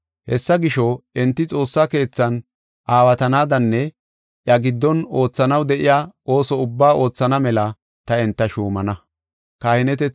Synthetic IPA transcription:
hɛsːɐɡɪʃɔɪnt̪ːɪt͡sʼo̞ːsːake̞ːt͡sːɐn | ʔaːwɐt̪ɐnaːd̪ɐnːɛ | ʔjɐɡɪd̪ːɔno̞ːt͡sːɐnɐwd̪ɛʔɪjaːo̞ːsɔʊbːaːo̞ːt͡sːɐnɐmɛlɐ | t̪ɐɪnt̪ːɐʃuːmɐnɐ | kaːhɪnɛt̪ɛ

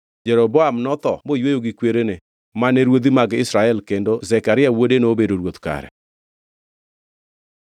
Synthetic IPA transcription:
d͡ʒɛɾoboamnɔt̪ɔmojwejoɡikweɾene | manɛɾwod̪imaɡɪsɾaɛlkendozɛkaɾɪawodenobedoɾwot̪ka̰ɾɛ̰

